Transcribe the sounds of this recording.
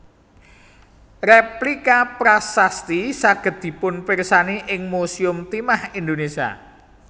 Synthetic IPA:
replikapɾasast̪isaɡ̥ə̤t̪̚i̤pʊnpirsaniʔɪŋmosiʊmt̪imahind̪onesia̰

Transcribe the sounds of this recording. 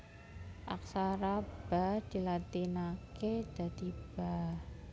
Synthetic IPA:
ʔak̚saɾab̥ad̥ilat̪inaked̥a̤d̪ib̥a

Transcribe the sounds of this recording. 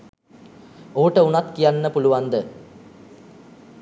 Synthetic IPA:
oːʈəunat̪kijanːəpuluʋand̪ə

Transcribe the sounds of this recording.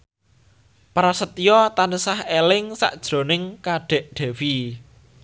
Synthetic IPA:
pɾasət̪ijɔt̪anəsahelɪŋsa̰ʔd̥ʒ̥ɾo̤nɪŋkaɖ̥ɛ̤ʔɖ̪̥ɛ̤wi

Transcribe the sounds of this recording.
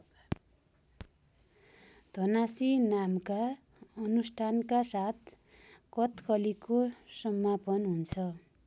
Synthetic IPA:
d̪ʱʌnasinamka | ʌnusʈʰankasat̪̚ʰ | kʌt̪kʰʌlikosʌmːapʌnɦunt͡sʰʌ

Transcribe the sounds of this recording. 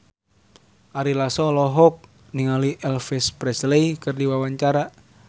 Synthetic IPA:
ʔaɾilasɔlɔɦɔk̚ | niŋaliʔɛlfɛspɾɛsleikɨrdiwawaɲt͡ʃaɾa

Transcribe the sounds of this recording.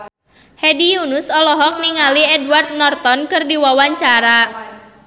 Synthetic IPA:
hɛdijunʊsɔlɔɦɔk̚niŋaliɛdwart̪̚nɔrt̪ɔnkɨrdiwawaɲt͡ʃaɾa

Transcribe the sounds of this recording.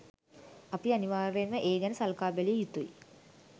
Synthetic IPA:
apianiʋaːɾeməʔeːɡænəsalkaːbelijut̪uḭ

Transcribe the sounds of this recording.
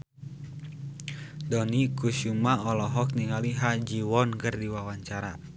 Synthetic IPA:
dɔnikuʃumaɔlɔɦɔk̚niŋaliɦad͡ʒiwɔnkɨrdiwawaɲt͡ʃaɾa̰

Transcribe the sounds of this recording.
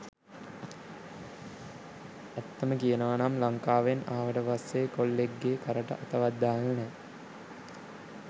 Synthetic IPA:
ɐt̪ːəməkijənəʋanamlaŋkaːʋenaːʋəʈəʋasːeːkolːeɡːeːkɐɾəʈə̰ʔɐt̪ɐʋad̪ːaːnənɛ

